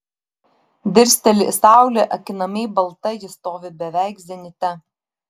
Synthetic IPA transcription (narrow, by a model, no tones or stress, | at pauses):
d̪ʲɪɾʲsʲt̪ʲɛlʲɪ̰sɑˑʊlʲeʔɐkʲɪnɐmʲɛɪbɐlˠt̪ɐjɪst̪oːʋʲɪbʲɛʋʲæˑɪkzʲɛnʲɪt̪ʲɛ